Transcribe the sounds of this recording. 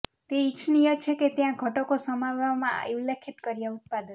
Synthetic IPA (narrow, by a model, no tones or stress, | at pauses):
t̪eit͡ʃʰnijɔt͡ʃʰeket̪jãɡʱɔʈokosəmaʋamã̰julekʰit̪kəɾijaut̪̚pad̪ɔn